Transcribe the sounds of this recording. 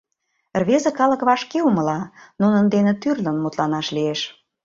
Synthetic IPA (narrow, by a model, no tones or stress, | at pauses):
rβezə̆kɑlə̆kβɑʃkeuməlɑnunənd̪enĕt̪yrlə̆nmut̪lɑnɑʃlieʃ